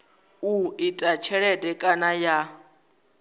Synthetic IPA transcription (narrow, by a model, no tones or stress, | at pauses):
uitʼat͡ʃʰɛɺɛtʼɛkʼanaja